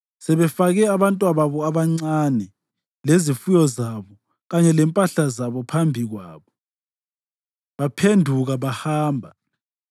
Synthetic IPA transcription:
sɛβɛfaɣɛaβantʼwaβaβɔaβaŋ͡ǀanɛ | lezifujɔzaβɔ | ɣaɲɛlɛmpʼaɬazaβɔpʰambʱiɣwa̰ːβɔ | βapʰendʱuɣaβahaːmbʱa

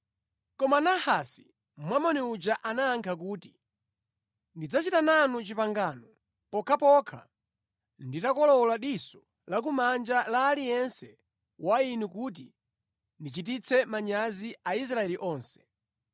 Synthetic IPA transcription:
kɔmanahasi | mwamɔniud͡ʒaʔanaːŋkʰakuːti | ndid͡zat͡ʃitananut͡ʃipaŋɡaːnɔ | pɔkʰapɔkʰa̰ | nditakɔlɔlaɗisɔ | lak̬umand͡ʒalaːlijɛnsɛ | wainukut̬i | ndit͡ʃit̬it͡sʰɛmaɲaziʔais̬ɾaɛliʔɔːnsɛ̥

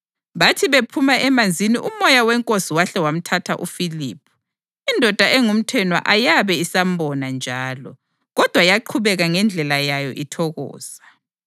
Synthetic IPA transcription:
βatʰiβepʰumaʔɛmand͡zʱiniʔumɔjawɛŋkʼosiwaɬɛwam̩tʰatʰaʔufiliːpʰu̥ | indʱɔd̥ʱaʔɛŋum̩tʰɛnwa̰ʔajaβɛisam̩bɔnand͡ʒʱaːlɔ̰ | ɣɔd̥ʱwajaǃʰuβɛɣaŋɛnd͡ɮʱɛlajajɔ̰ʔitʰɔɣɔ̰ːzḁ

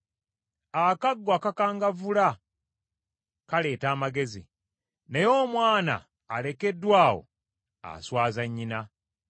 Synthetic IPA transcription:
akaɡːwakakaːŋɡavula | kale̞ːtaːmaɡe̞zḭ | nejo̞ːmwaːna̰ː | le̞ke̞dːwaːwo̞̰ | a̰swaːzaɲːina

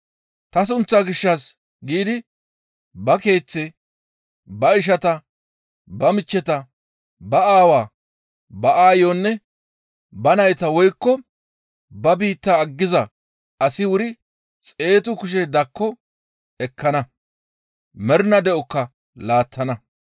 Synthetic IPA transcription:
t̪ɐs̬ʊnt͡sːaɡɪʃːɐs | ɡiːd̪ɪ | bɐke̞ːt͡sːɛ | bɐɪʃ̬ɐt̪ɐ | bɐmɪt͡ʃːɛt̪ɐ | bɐaːwaː | bɐʔaːjonːɛ | bɐnɐjt̪ɐwɔjkːɔ | bɐbiːt̪ːaːɡːɪzɐ | ɐsɪwʊɾɪ | t͡sʼe̞ːt̪ʊkʊʃ̬ɛd̪ɐkːɔ | ɛkːɐnɐ | mɛɾnɐd̪ɛʔɔkːɐ | laːt̪ːɐnɐ

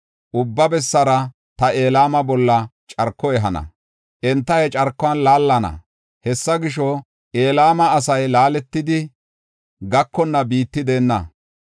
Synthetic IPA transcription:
ʔʊbːɐbɛsːɐɾɐ | t̪ɐʔeːlaːmɐbɔlːɐ | t͡ʃʼɐɾkːɔɛɦɐnɐ̰ | ʔɛnt̪ːɐjɛt͡ʃʼɐɾkːɔɐnlaːlːɐnɐ̰ | hɛsːɐɡɪʃ̬ɔ | ʔe̞ːlaːmɐːs̬ɐjlaːlɛt̪ːɪd̪ɪ | ɡɐkːɔnːɐbiːt̪ːɪd̪e̞ːnːɐ̰

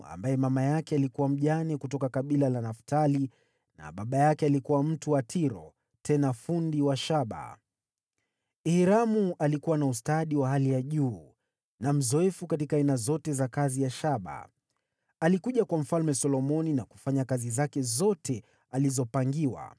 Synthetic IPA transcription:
a̰mbajɛmamajakɛalikuwam̩ʄanɛkutɔkakaɓilalanaftali | na̰ɓaɓajakɛalikuwam̩tuwatʰiɾɔ̰ | tʰɛnafundiwaʃaɓa̰ | ihiɾamuʔalikuwanaustaɗiwaɦalijaʄuː | nam̩zɔɛfukatikaainazɔtɛzakazijaʃaɓa̰ | alikuʄakwam̩falmɛsɔlɔmɔninaku̥faɲakazizakɛzɔtʰɛ | alizɔpaŋɡiwa̰

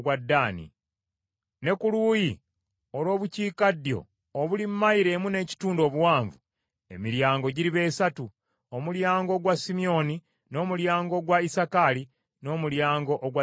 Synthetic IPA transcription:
wadːaːnḭ | ne̞kuluːji | olwo̞ːβuciːkadjo̞̰ː | βulimmːaiɾe̞mune̞ːci̥tuːndo̞ːβuwaːɱvu | e̞̰miɾjaːŋɡo̞ɟiɾiβe̞ːsatu | omuljaːŋɡo̞ːɡwasimio̞ni | no̞ːmuljaːŋɡo̞ɡwaisakali | no̞ːmuljaːŋɡo̞ʔːɡwa

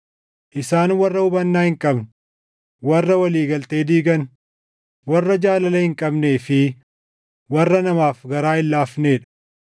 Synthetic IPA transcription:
ʔɪsaːnwɐrːɐʊbɐnːaːhɪŋkʼɐbn | wɐrːɐwɐliːɡɐlt̪e̞ːd̪iːɡɐn | wɐrːɐd͡ʒaːlɐlɐhɪŋkʼɐbne̞ːfɪ | wɐrːɐnɐmaːfɡɐɾaːɪlːaːfne̞ːᶑɐ̥

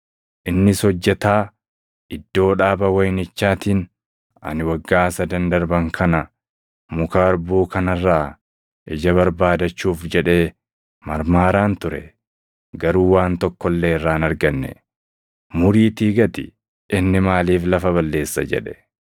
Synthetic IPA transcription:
ʔɪnːɪsɔd͡ʒːɛt̪aː | ɪd̪ːo̞ːᶑaːbɐwɐjnɪt͡ʃːaːt̪iːn | ɐ̰nɪwɐɡːaːsɐd̪ɐnd̪ɐɾbɐŋkʰɐnɐ | mʊkaːɾbuːkɐnɐrːaː | ʔɛd͡ʒɐβɐɾbaːd̪ɐt͡ʃːuːfd͡ʒɛᶑe̞ː | mɐɾmaːɾaːnt̪ʊɾɛ | ɡɐɾuːwaːnt̪ɔkːɔlːe̞ːɪrːaːnɐɾɡɐnːɛ̰ | mʊɾiːt̪iːɡɐt̪ɪ | ʔɪnːɪmaːliːflɐfɐβɐlːe̞ːsːɐ̰d͡ʒɛ̰ᶑɛ̥

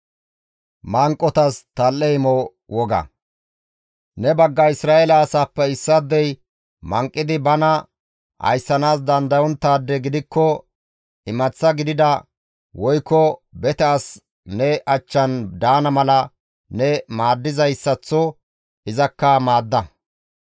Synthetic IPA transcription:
maːŋkʼːɔt̪ɐst̪ɐlːɛɪmɔ | wɔɡɐ̰ | nɛbɐɡːɐɪsɾaːɛlɐːsaːpːɛɪsːɐd̪ːɛj | mɐŋkʼːɪd̪ɪbɐnɐ | hɐ̰jsːɐnaːs̬d̪ɐnd̪ɐjɔnt̪ːaːd̪ːɛɡɪd̪ɪkːɔ | ɪmɐt͡sːɐɡɪd̪ɪd̪ɐ | wɔjkːɔbɛt̪ɛas | nɛʔɐt͡ʃːɐnd̪aːnɐmɐlɐ | nɛmaːd̪ːɪzɐjsːɐt͡sːɔ | ʔɪzɐkːɐmaːd̪ːɐ

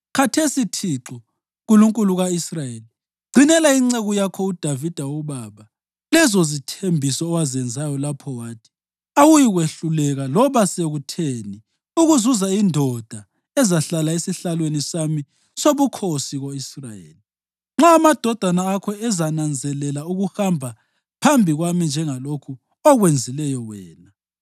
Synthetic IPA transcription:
kʰatʰesitʰiǁɔ | ɣuluŋkʼuluɣaisrajeli | ɡ͡ǀʱinɛlaiŋ͡ǀeɣujakʰɔud̥ʱavid̥ʱaɔβaβa | lɛzɔzitʰembʱisɔːwazɛnd͡zʱajɔlapʰɔwaːtʰi̥ | awujiɣweɬulɛɣalɔβaseɣutʰeni | uɣuzuzaindʱɔd̥ʱa | ɛzaɬalaesiɬalwenisami | soβukʰosiɣoisrajḛːli | ŋ͡ǁaːmad̥ʱɔd̥ʱanaːkʰɔɛzanand͡zʱɛlɛlauɣuhambʱa | pʰambʱiɣwamind͡ʒʱɛŋalokʰu | ɔɣwend͡zʱilɛjɔwɛːna

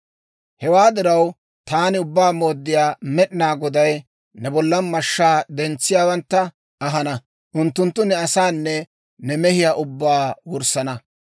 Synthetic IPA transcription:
hɛwaːd̪ɪɾɐw | t̪aːnɪʊbːaːmo̞ːd̪ːɪjaːmɛɗɪnaːɡɔd̪ɐj | nɛbɔlːɐnmɐʃːaːd̪ɛnt͡sːɪjaːwɐnt̪ːɐ | ɐɦɐnɐ | ʔʊnt̪ːʊnt̪ːʊnɛɐsaːnːɛ | nɛmɛhɪjaːʔʊbːaːwʊɾsɐnɐ

